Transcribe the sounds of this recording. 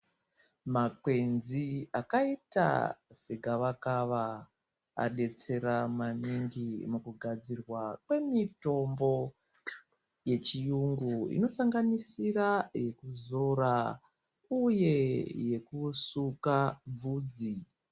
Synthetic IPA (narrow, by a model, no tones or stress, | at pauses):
makwe̞nziakaita̰seɡʱaʋakaʋa | a̰ɗe̞t͡se̞ɾamaniŋɡimukuɡʱad͡zirwakwe̞mito̞mbo̞ | je̞t͡ʃijuŋɡuḭno̞saŋɡanisiraje̞kuzo̞ra | uje̞je̞kusukab͡vuːd͡zi